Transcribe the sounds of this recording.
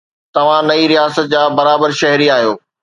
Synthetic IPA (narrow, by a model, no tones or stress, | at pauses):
t̪ɐʋ̤ãnɐiɾijaːsət̪̚d͡ʑaːbɐɾaːbəɾʃɐɦɾiaːɦijoː